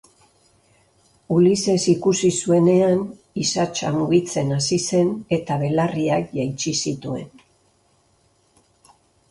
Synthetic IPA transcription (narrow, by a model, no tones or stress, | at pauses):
ulise̞sikusisue̞ne̞an | isat͡ʃa̰muɣit͡se̞nasise̞ne̞t̪aβe̞lariakʝajt͡ʃisit̪ue̞̰n